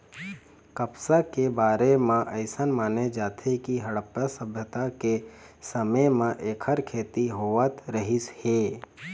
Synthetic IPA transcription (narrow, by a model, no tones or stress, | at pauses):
kəpsakebaːɾemãʔəɪsənmaːned͡ʒaːt̪ʰekiɦəɽəpjasəbʱjət̪akesəməjmẽʔeːkʰəɾkʰeːt̪iɦoːʋət̪ɾəɦɪsheː